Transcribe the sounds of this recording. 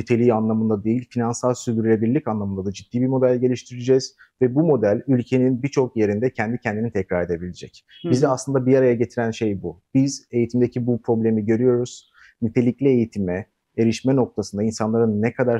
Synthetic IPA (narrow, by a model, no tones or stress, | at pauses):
nyt̪ʰe̞lʲiːanlˠamɯnd̪ad̪e̞jilʲfinansalˠsyɾd̪yɾylʲe̞biɾlʲicanlˠamɯnd̪ad̪ad͡ʒid̪̥ːiːbiɾmo̞d̪ælʲɟe̞lʲiʃt̪ʰiɾid͡ʒɛz̥ | vɛbumo̞d̪ælʲylʲcʰe̞ninbit͡ʃʰo̞k̚je̞ɾind̪ɛcʰɛnd̪icʰɛnd̪init̪ʰɛcɾaɾe̞d̪e̞bilʲed͡ʒɛcizd̪ɛaslˠɯnd̪abiaɾajaɟe̞t̪ʰiɾænʃe̞jbub̥ize̞jit̪ʰimd̪e̞cʰibupɾo̞blʲe̞miɟø̞ɾyjo̞ɾuz̥ | nyt̪ʰe̞lʲiclʲie̞jit̪ʰimɛ | eɾiʃmɛno̞k̚t̪ʰasɯnd̪ainsanlˠaɾɯnːɛkʰad̪aɾ